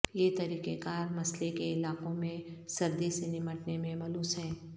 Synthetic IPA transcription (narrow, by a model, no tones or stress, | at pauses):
jeːt̪ɐɾiːqekaːɾmɐslekeɪlaːqõmẽsɐɾd̪esenɪməʈnemẽmɐluːsɦɛ̃ː